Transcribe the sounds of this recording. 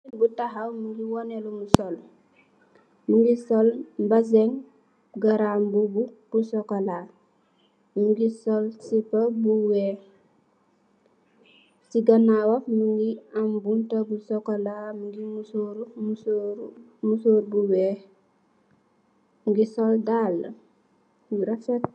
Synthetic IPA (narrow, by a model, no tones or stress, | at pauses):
butaɦawmuŋɡiwɔnelumusɔl | muŋɡisɔlbasɛŋ | ɡaɾambubub̥usɔkola | muŋɡisɔlsipabuwɛː | siɡɐnawafmuŋɡiambuntɐbusɔkolamuŋɡimusoɾumusoɾ | musoːɾbuwɛ | mɡisɔldalːə̰ | uɾɐfɛt̚